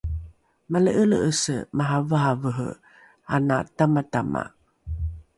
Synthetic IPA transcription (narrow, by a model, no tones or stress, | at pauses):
maləʔələʔəsəmaɦavəɦavəɦə̰ | ana̰tamatama̰